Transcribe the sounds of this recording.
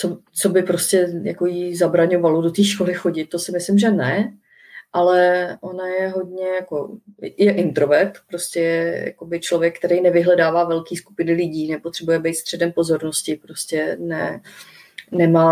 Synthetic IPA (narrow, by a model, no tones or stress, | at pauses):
t͡sot͡so̞bɪpɾo̞scɛja̰ko̞jizabɾaɲo̞valodot̪iːʃko̞lɪxo̞ɟɪt̪ːosɪmɪslɪmʒɛnɛ | ʔalɛʔo̞najɛɦo̞dɲɛjako̞̰jɛʔɪnt̪ɾo̞vɛɾt̪pɾo̞scʲɛjɛja̰ko̞bɪt͡ʃlo̞vjɛkːt̪ɛɾɛjnɛvɪɦlɛdaːvaːvɛlkiːsku̥pɪnɪlɪɟiːnɛpo̞t̪r̝̥ɛbujɛbɛjt̪st̪r̥ɛdɛmpo̞zo̞ɾnoscɪpɾo̞scɛnɛ | nɛmaː